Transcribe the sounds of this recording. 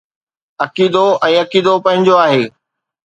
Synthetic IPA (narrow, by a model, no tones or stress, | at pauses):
ɐkiːd̪oʔɛ̃ːɐkiːd̪opɐ̃ɦɪ̃ɲd͡ʑoaːɦeː